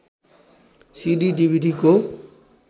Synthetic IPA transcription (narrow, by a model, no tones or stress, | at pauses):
siɖiɖibʱiɖiko